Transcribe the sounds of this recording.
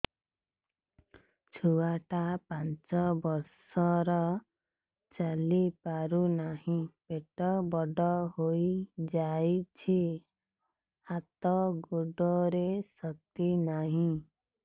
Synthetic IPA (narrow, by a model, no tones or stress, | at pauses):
t͡ʃʰuwaʈapant͡ʃɔbɔɾsɔɾɔ | t͡ʃalipaɾunahĩpeʈɔbɔɖɔɦojd͡ʒajt͡ʃʰi | hat̪ɔɡoɖɔɾesɔt̪inaɦĩ